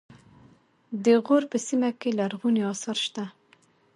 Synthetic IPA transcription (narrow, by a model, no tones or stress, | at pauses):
d̪eɣoːɾpəsimɛkelæɾɣuneɑːsɑɾʃt̪æ